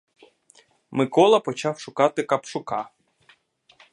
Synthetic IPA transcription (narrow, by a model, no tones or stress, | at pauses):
mɪkɔlˠɐpɔt͡ʃɑwʃʊkɑt̪ɪkɐpʃʊkɑ